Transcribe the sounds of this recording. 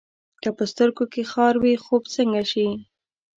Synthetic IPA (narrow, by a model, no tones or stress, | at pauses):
kəpəst̪əɾɡokexɑɾwixobt͡səŋɡaʃi